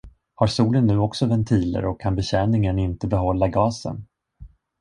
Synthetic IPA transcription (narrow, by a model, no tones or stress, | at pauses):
haɾsuːlənːʉ̟ːɔksɔvɛnt̪ʰiːlə̰ɾɔkʰːanbɛɕɛːnɪŋənɪnt̪əbɛɦɔlːaɡɑːsə̰n